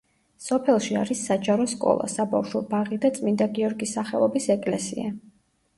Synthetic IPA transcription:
sɔpʰɛlˠʃia̰ɾisːad͡ʒaɾɔskʼɔ̰lˠa̰saba̰fʃwɔbaʁid̪at̪sʼmind̪aɡiɔɾɡisaχɛlˠɔbisɛkʼlɛsḭa

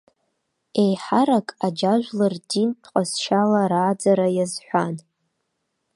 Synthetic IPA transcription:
e̞jħaɾakʼad͡ʒaʒʷᶣlardintʰqʷʼasʃalaɾaːd͡zaɾajazħʷan

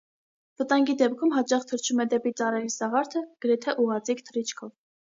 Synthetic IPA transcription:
vət̪ɑŋɡid̪ɛp̚kʰumɦɑt͡ʃɑχt̪ʰəɾt͡ʃʰumɛd̪ɛpit͡sɑɾɛɾisɑʁɑɾt̪ʰəɡ̥əɾɛt̪ʰɛʔuʁɑt͡sikʰt̪ʰəɾit͡ʃʰkʰɔv

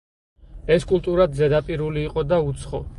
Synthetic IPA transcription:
ɛskʼulˠt̪ʼuɾad̪zɛd̪apʼiɾuliːqʼɔd̪aut̪sʰχɔ

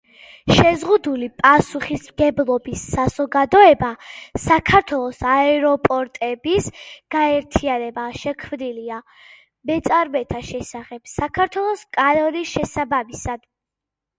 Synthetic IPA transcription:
ʃɛzʁud̪ulipʼasuχismɡɛblˠɔbisːaz̥ɔɡad̪ɔɛbasakʰaɾt̪ʰwɛlˠɔsaɛɾɔpʼɔɾt̪ʼɛbisɡ̥aɛɾt̪ʰianɛbaʃɛkʰvnilia | mɛt̪sʼaɾmɛt̪ʰaʃɛsaχɛb̥sakʰaɾt̪ʰwɛlˠɔskʼaɾɔɾiʃɛsabamisad̪̥

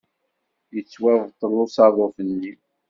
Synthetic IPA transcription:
jət͡sːwævʁt̪ˤːəlːʊsɑðˤofənːi

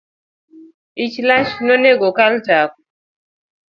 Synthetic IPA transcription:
it͡ʃlat͡ʃnoneɡokaltap̚

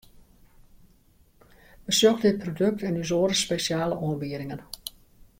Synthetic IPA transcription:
ʋəsjoxdɪt̚pʰrodɵk̚tɛnyzoːɾəspesjaːləʔoənbiəɾɪŋən

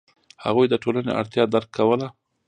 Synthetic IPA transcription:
ha̰ɣujd̪əʈolanḛʔa̰ɽt̪jɑd̪aɾkʰːawəla

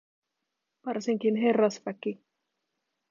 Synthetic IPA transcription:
ʋɑrsiŋkinɦe̞rːɑsʋæki

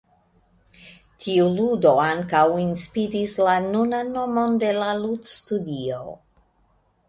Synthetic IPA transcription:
tʰiuludo̞aŋkawinspiɾislanunanːo̞mo̞nde̞laludstudio

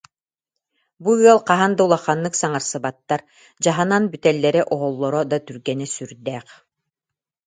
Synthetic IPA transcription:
buɔlˠqaɦand̪aulˠaχːanːɯksaŋaɾsɯbat̪ːaɾ | d͡ʑaɦananbyt̪ɛlːɛɾɛʔɔɦɔlˠːɔɾɔd̪at̪yɾɡɛnɛsyɾd̪ɛːχ

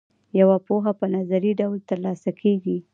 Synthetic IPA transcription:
jawapoɦapənazaɾiɖawlt̪əɾlɑsakʰeɡi

